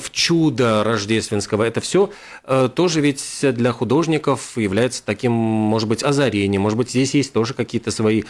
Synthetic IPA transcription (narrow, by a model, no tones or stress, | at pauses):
ft͡ɕud̪əɾɐʐdʲe̞st̪vʲɪnskəvəɛt̪əfsʲo̞ | ət̪o̞ʐɨvʲɪtʲd̪lʲɐxʊd̪o̞ʐnʲɪkəfjɪvlʲæjɪt̪sə̥t̪ɐkʲimːo̞ʐɨd̪̚bɨtʲɐzɐɾʲenʲɪjəmo̞ʐɨd̪bɨtʲzʲdʲesʲjesʲtʲt̪o̞ʐɨkɐkʲijət̪əsvɐi